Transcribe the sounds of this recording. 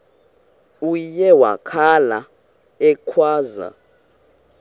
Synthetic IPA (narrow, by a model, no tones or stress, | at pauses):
ujɛwa̰kʰala | ɛkʰwaːza̰